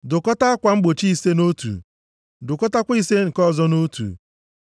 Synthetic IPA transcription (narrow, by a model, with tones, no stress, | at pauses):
dʊ˨kɔ˦ta˦a˦kʷa˨ŋ͡m̩˦ɡ͡bo˨t͡ʃi˦i˦se˦no˦tṵ˨ | dʊ˨kɔ˦ta˦kʷi˦se˦ŋ̩˨kɔ˦zɔ˦no˦tṵ˨